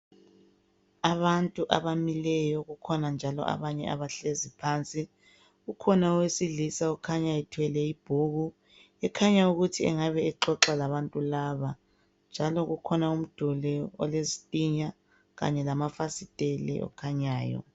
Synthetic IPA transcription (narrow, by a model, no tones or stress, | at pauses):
aβantʼuʔa̰βamilɛjɔɣukʰɔnand͡ʒʱalɔ̰ʔa̰βaɲɛ̰a̰βaɬezipʰant͡sʼi | ɣukʰɔnaɔwesiɮisaukʰaɲaitʰwɛlɛib̥ʱuɣu | ɛkʰaɲauɣutʰiɛ̰ŋaβɛɛǃɔǁalaβantʼulaβa | nd͡ʒʱalɔɣukʰɔnaum̩d̥ʱulɛɔ̰lezitʼiɲa | ɣa̰ɲɛlamafasitʼelɛ̰ɔ̰kʰaɲaːjɔ̰